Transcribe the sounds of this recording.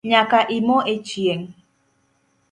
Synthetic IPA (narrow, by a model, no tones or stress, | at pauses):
ɲãkaʔimõʔet͡ʃieŋ